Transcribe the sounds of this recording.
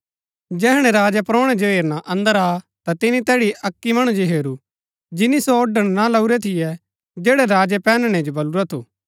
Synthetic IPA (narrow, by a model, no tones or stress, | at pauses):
d͡ʒɛːɦɽ̃ɛ̃ɾaːd͡ʒɛpɾoːɽ̃ɛd͡ʒoɦeːɾnaʔɐ̃nd̪əɾaː | t̪at̪ɪnĩt̪ɛːɽiʔɐkːimɐɽ̃ũd͡ʒoɦeːɾu | d͡ʒɪnisoɔɖəɽ̃nalɐuɾɛt̪ʰɪjɛ | d͡ʒeːɽɛɾaːd͡ʒɛpɛːnɽ̃ɛ̃d͡ʒobɐluɾat̪ʰo̰ː